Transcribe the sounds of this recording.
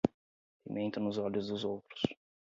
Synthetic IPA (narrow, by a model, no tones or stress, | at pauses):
pimẽnt̪ɐnʊzɔlʊzd̪ʊzowt̪ɾʊ̥s